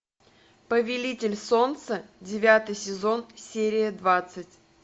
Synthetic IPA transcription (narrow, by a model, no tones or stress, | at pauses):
pəvʲɪlʲitʲɪlʲso̞nt̪sədʲɪvʲat̪ɨjsʲɪzo̞nsʲeɾʲɪjəd̪vat̪sɨtʲ